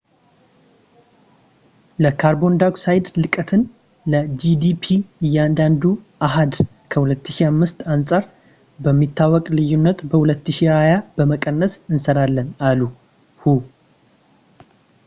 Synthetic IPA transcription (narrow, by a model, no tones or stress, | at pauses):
ləkʰaɾbo̞nd̪aɡsajd̪lɨkʼət̪ʰɨn | ləd͡ʒid̪ipʰiɨjːɛand̪and̪uʔaɦad̪ | kʰəhulət̪ːɨʃiamːɨst̪ansʼaɾ | bəmːit̪ːawːɔkʼlɨjːunːət̪bəhulət̪ːɨʃiɾajabəməkʼənːəsɨnsəɾalːənalu | hu